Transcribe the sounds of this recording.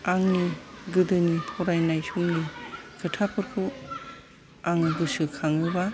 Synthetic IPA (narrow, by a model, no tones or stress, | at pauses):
aŋniɡɯdɯnipʰɔɾajnajsuŋnikʰɯtʰapʰɯɾkʰu | aŋɯɡɯsɯkʰaŋɯba